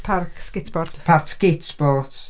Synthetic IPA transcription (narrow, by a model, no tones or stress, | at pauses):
pʰarkskɪtb̥ɔrd̥pʰartskɪtb̥ɔt